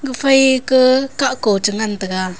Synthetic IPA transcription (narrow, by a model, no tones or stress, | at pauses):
ɡəfajkəkaʔkot͡ʃəŋant̪əɡa